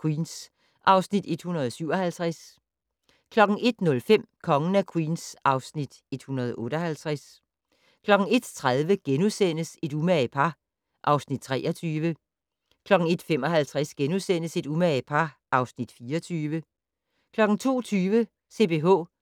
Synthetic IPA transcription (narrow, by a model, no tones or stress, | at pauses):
kʰwiːns | ʔɑ̈ʊsnid̥e̝d̥hunɐð̞ˠɒsyʊ̰ɒ̽hælt͡sʰʁas | kʰlɒ̽ɡ̥ŋ̩e̝d̥nɔ̽lfem̰kʰɒ̽ŋənækʰwḭːnsʔɑ̈ʊsnid̥e̝d̥hunɐðˠʔɔ̽ːɾ̥ɒhælt͡sʰʁas | kʰlɒ̽ɡ̥ŋ̩e̝d̥t͡sʰʁaðˠʋəɡ̥enusen̰əse̝d̥umæpʰɑ̈ | ʔɑ̈ʊsnid̥̚t͡sʰʁɛ̰ːʔɐt͡sʰyːʋə | kʰlɒ̽ɡ̥ŋ̩e̝d̥femɒ̽ɦælt͡sʰʁasɡ̥enusen̰əse̝d̥umæpʰɑ̈ʔɑ̈ʊsnid̥fiːɒt͡sʰyːʋə | kʰlɒ̽ɡ̥ŋ̩t͡sʰo̝̰ːt͡sʰyːʋə | se̝̰b̥e̝ːɦɔ̰̽ː